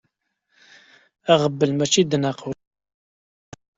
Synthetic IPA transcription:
æʁəbːəlmæt͡ʃːid̪naqə

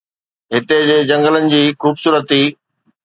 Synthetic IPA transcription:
ɦɪt̪ed͡ʑeːd͡ʑɐ̃ŋɡələnɪ̆d͡ʑiːxuːbsuːɾət̪ɦiː

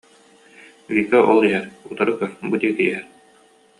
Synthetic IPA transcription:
vikaʔɔlˠiɦɛɾut̪aɾɯkœbud̪ikɘjɦɛɾ

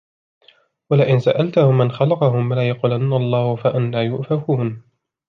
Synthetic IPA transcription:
walaʔɪnsaʔalt̪ʊhʊmːanxalɑqɑhʊmlaːjɑquːlanːaɑlˤːɑːhʊfaʔanlaːjʊʔfafuːn

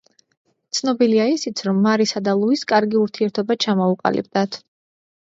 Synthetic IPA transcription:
t̪sʰnɔbiliaisit̪sʰɾɔmːaɾisad̪alˠuiskʼaɾɡiuɾt̪ʰiɛɾt̪ʰɔbat͡ʃʰamɔuqʼa̰lḭb̚d̪at̪ʰ

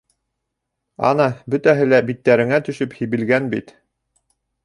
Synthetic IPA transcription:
ɑ̰nɑbɵ̆t̪æɦɘlæbit̪ːæɾɘ̆ŋæt̪ɵ̆ʃɵphiβɘ̆lɡænbḭt̪

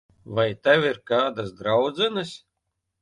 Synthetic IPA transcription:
vajt̪awiɾkaːd̪asd̪ɾawd̪zɛnɨsʲ

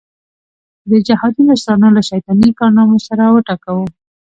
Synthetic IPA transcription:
d̪əd͡ʒahɑd̪inasɾɑnolaʃajt̪ɑnikɑɾnɑmosaɾawəʈɑkawə

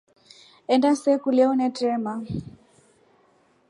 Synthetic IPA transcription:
ɛndasɛkulɛɔnɛtɾɛma

